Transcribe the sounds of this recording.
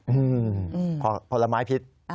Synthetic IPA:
ʔɯː˧˩˧pʰɔ˧˩pʰo˧˩la˧maː˦˥jpʰi˦˥t̪̚

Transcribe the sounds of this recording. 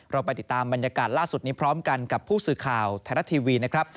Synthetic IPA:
ɾa˧wpa˧jt̪i˨˩t̪ːaː˧mba˧njaː˧kaː˨˩t̪̚laː˥˩su˨˩t̪̚niː˦˥pʰɾɔː˦˥mka˧nka˨˩pʰːuː˥˩sɯː˨˩kʰaː˨˩wt̪ʰɛː˧˩ɾa˦˥t̪ʰiː˧wiː˧na˦˥kʰɾa˦˥p̚

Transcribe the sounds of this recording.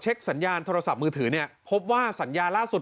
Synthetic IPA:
t͡ɕʰe˦˥k̚sa˩˦njaː˧nt̪ʰoː˧ɾa˧sa˨˩p̚mɯː˧t̪ʰɯː˩˦ni˥˩ɐpʰo˦˥p̚waː˥˩sa˩˦njaː˧nlaː˥˩su˨˩t̪

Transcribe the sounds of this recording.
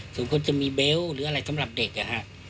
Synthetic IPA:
suː˨˩˦ŋkʰo˧˥˨nt͡ɕa˧˨miː˧beː˧˥wɾɯː˨˦ʔa˧ɾa˧˩jsa˨˦mɾa˨˩p̚deː˨˩k̚a˨˧˩ha˧˨ʔ

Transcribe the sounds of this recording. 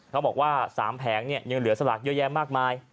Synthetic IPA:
kʰa˦˥wbɔː˨˩kwaː˥˩sa̰ː˩˦mpʰɛː˩˦ŋni˥˩əjɯ˧ŋlɯ˨˩˦ɐsa˧laː˨˩k̚jɤː˦˥˩jɛː˧mːaː˥˩k̚maː˧j

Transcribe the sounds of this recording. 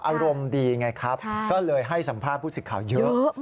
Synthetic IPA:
ʔaː˧ɾo˧mdiː˧ŋa˧jkʰa˦˥p̚kɔː˥˩lɤː˧jɦa˥˩jsa˩˦mpʰaː˥˩t̚pʰːuː˥˩sɯ˨˩kʰːaː˨˩˦wjɤ˦˥ʔ

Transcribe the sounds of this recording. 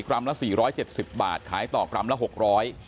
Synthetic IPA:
kɾa˧˥mla˦˥siː˨˩ɾɔː˦˥jt͡ɕe˨˩t̪̚si˨˩p̚ba̰ː˨˩t̪̚kʰaː˩˦jt̪ɔː˨˩kɾa˧˥mla˧˥ɦo˨˩k̚ɾɔː˦˥j

